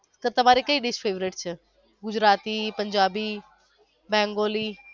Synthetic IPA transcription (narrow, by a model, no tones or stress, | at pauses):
t̪ɐt̪ɐm̤aːɾikɐiːɖɪʃpʰeːʋɾɪʈt͡ʃʰə | ɡʊd͡ʑɾaːt̪ipɐ̃ɲd͡ʒaːbiː | bɛ̃ːŋɡoːliː